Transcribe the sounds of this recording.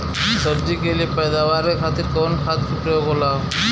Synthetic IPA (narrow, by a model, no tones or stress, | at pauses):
səɾd͡ʒikeliepɛjd̪awaɾekʰat̪iɾkɔnkʰat̪̚t͡ʃʰuʈeɡɔla